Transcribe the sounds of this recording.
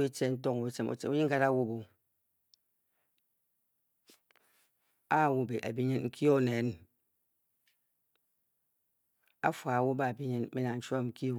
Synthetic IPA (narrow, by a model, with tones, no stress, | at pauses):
i˦t͡ʃe˦n̩˦t̬ɔ˦ŋo˨wi˦t͡ʃe˦mo̰˦t͡ʃḛ˨u˦ɲi˦ŋ˦ka˦ɾa˦wu˦˨bo˨ | a˦˨wu˦be˨ʔa̰˨bi˦ɲi˦nŋ̩˦kʰi˦o˦˨ne˨˦n | a̰˦fwa˨a˨wo˦ba˦˨bi˦ɲi˦n˦mi˦na˨n̩˦t͡ʃa˦˨ŋ̩˦ki˦˨˦